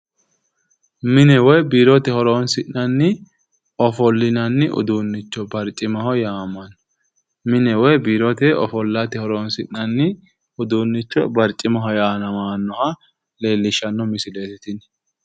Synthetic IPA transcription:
mɪnɛwɔjbiːɾɔt̪ɛhɔɾoːnsɪnːɐnːɪ | ɔfɔlːɪnɐnːɪʔʊ̰d̪uːnːɪt͡ʃːɔbɐɾt͡ʃʼːɪmɐhɔjaːmɐn | mɪnɛwɔjbiːɾɔt̪ɛɔ̰fɔlːɐt̪ɪhɔɾoːnsɪnːɐnːɪ | ʊd̪uːnːɪt͡ʃːɔbɐɾt͡ʃʼɪmɐɦɔjaːnɐmaːnːɔhɐ | leːlːɪʃɐnːɔmɪsɪleːt̪ɪt̪ɪn

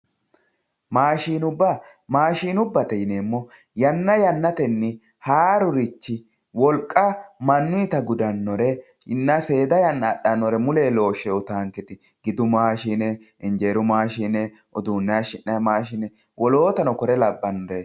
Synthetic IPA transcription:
maːʃiːnʊbːɐ | maːʃiːnʊbːɐt̪ɛjɪneːmːɔ | jɐnːɐjɐnːɐt̪ɛnːɪ | haːɾʊɾɪt͡ʃːɪ | wɔlkʼːɐmɐnːʊɪt̪ɐɡʊd̪ɐnːɔɾɛ | nːɐse̞ːd̪ɐjɐnːɐːɗɐnːɔɾɛmʊleːlo̞ːʃːɛɔt̪aːŋkɪt̪ɪ | ɡɪd̪ʊmaːʃiːnɛ | ɪnd͡ʒeːɾʊmaːʃiːnɛ | ʔɔd̪uːnːɛaʃɪnːɐmaːʃɪnɛ | wʔɔlo̞ːt̪ɐnɔkɔɾɛlɐbːɐnːɔɾe

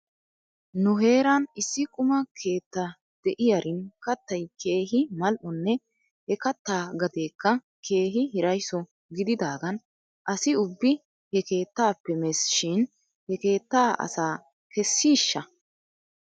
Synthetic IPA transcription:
nʊɦe̞ːɾɐnɪsːɪkʼʊmɐkʰe̞ːt̪ːɐ | d̪̥ɛʔɪjɐɾʔɪnkɐt̪ːɐjke̞ːɦɪmɐlʔʊnːɛ | hɛkɐt̪ːaːɡɐd̪e̞ːkːɐ | kʰe̞ːɦɪɦɪɾɐjsɔ | ɡɪd̪ɪd̪aːɡɐn | ʔɐsɪʊbːɪ | hɛkeːt̪ːaːpːɛmɛsʃɪn | hɛke̞ːt̪ːaːʔɐ̰saː | kɛsːiːʃːɐ

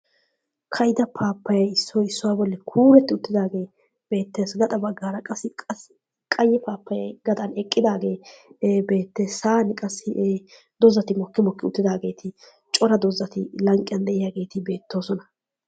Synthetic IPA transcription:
kʰɐjd̪ɐpʰaːpːɐjɐjɪsːɔːɪsːʊwaːbɔlːɛkʰuːɾɛt̪ːɪʊt̪ːɪd̪aːɡe̞ː | b̥e̞ːt̪ːeːsɡɐd̪ɐbɐɡːaːɾɐkʼɐsːɪkʼɐs | kʼɐjːɛpaːpːɐjɐjɡɐd̪ɐnɛkʼːɪd̪aːɡe̞ːbe̞ːt̪ːeːsaːnɪkʼɐsːɪʔ | d̪ɔzɐt̪ɪmɔkːɪmɔkːɪʊt̪ːɪd̪aːɡe̞ːt̪ʰɪ | t͡ʃʼɔɾɐd̪ɔzːɐt̪ɪlɐŋkʼɪjɐnd̪ɛʔɪjaːɡe̞ːt̪ɪbe̞ːt̪ːo̞ːsɔnɐ

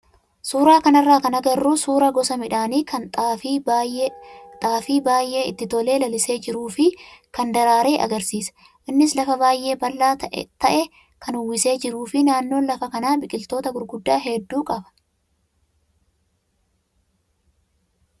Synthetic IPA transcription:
suːɾaːkɐnɐrːaːkɐnɐɡɐrːuːsuːɾɐɡɔsɐmɪᶑaːniːkʰɐnt̪ʼːfi | t̪ʼaːfiːbaːjʔe̞ːɪt̪ːɪt̪ɔle̞ːlɐlɪse̞ːd͡ʒɪɾuːfɪkɐnd̪ɐɾaːɾe̞ːʔɐ̰ɡɐɾsiːsɐ̥ | ʔɪnːɪslɐfɐbaːjʔe̞ːbɐlːaːt̪ʔt̪ɐʔɛ | kɐnʊwːɪse̞ːd͡ʒɪɾuːfɪnaːnːo̞ːlɐfɐkɐnaːbɪkʼɪlt̪o̞ːt̪ɐɡʊɾɡʊd̪ːaːɦɛd̪ːuːkʼɐbɐ̥

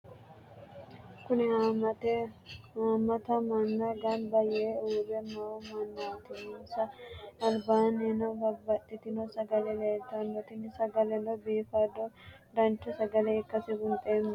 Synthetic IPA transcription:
kʊnɪhat̪ | haːmɐt̪ɐmɐnːɐɡɐnbɐjɛeuːbɛmɐwɔmɐnːaːt̪ɪnɔsɐɐlbaːnenɔbɐbːɐt̪ʼːɪt̪ɪnɔsɐɡɐlɛleːlt̪ɐnːɔt̪ɪnːɪsɐɡɐlɛnɔbiːfɐd̪ɔ | d̪ɐnt͡ʃːɔsɐɡɐlɛɪkːɐsɪɡʊnt̪ʼemː

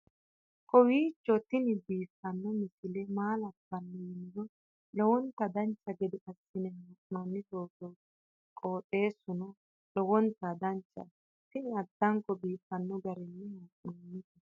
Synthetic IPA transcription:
kʰɔwiːt͡ʃːɔt̪ɪnɪbiːfːɐnːɔmɪsɪlemaːlɐpːɐnːɛjɪndɔ | lɔwɔnt̪ːɐd̪ɐnt͡ʃːɐɡɛd̪ɪkʼɐsːɪnɛhaʔʼnonːɪt̪oːt̪ɔ | kʼoːt̪ʼːe̞ːsʊnɔ | lɔwɔnt̪ːɐd̪ɐnt͡ʃːɐ̰ | t̪ɪnɪɐd̪ːɐŋkɔbiːfːɐnːɔɡɐɾɛnːɛhaʔʼnonːɪt̪ɛ

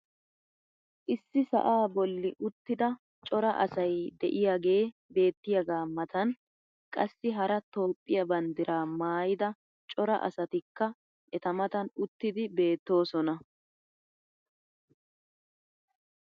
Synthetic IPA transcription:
ʔɪsːɪsɐ̰ʔaːbɔlːɪʔʊt̪ːɪd̪ɐ | t͡ʃʼɔɾɐʔɐ̰sɐjd̪ɛ̰ʔɪjaɡe̞ːbe̞ːt̪ːɪjɐɡaːmɐt̪ɐn | kʼɐsːɪɦɐɾɐt̪o̞ːpʼːɪjɐbɐnd̪ɪɾʔaːmaːjɪd̪ɐ | t͡ʃʼɔɾɐ̰ʔɐ̰sɐt̪ɪkːɐ | ʔɛt̪ɐmɐt̪ɐnʊt̪ːɪd̪ɪbe̞ːt̪ːo̞ːsɔnɐ

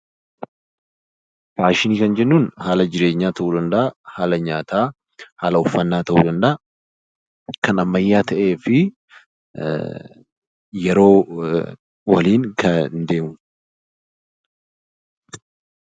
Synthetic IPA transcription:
faːʃɪniːkɐnd͡ʒɛnːuːnhaːlɐd͡ʒɪɾe̞ːɲːaːt̪ɐʔuːd̪ɐnd̪ɐʔɐhaːlɐɲaːt̪aː | haːlɐʊfːɐnːaːt̪ɐʔuːd̪ɐnd̪ɐʔɐ | kɐnɐmːɐjːaːt̪ʰɐʔe̞ːfɪ | jɛɾo̞ː | wɐliːnkɐnd̪e̞ːmʊ

